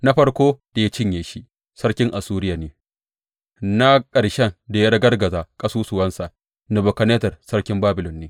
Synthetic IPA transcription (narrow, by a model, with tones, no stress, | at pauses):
na˦ɸɐ˦ɽkʷoː˦da˨ja˦t͡ʃɪ˦ɲjeː˨ʃi˦ʔ | sɐ˦ɽkʲɪ˦ŋʔa˨suː˦ɾɪ˦jaː˨neː˨˦ | na˦kʼɐ˨ɽʃɛ˦nda˨ja˦ɽɐ˦ɡɐ˦rɡɐ˨zaː˨kʼɐ˦suː˦sʊ˨wɐ˦nsa˨ | nɐ˨bɔ˨kɐ˨neː˦tɐ˨rsɐ˦ɽkʲɪ˦mbaː˦bɪ˨lɔ˨nːeː˦